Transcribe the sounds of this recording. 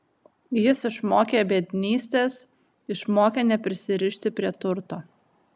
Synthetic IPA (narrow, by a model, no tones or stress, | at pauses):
jɪsɪʃmoːkʲeːjbʲiɛd̪ʲnʲiːsʲt̪ʲeːs | ɪʃmoːkʲeːnʲɛpʲɾʲɪsʲɪɾʲɪʃʲt̪ʲɪpʲɾʲiɛt̪ʊɾt̪oː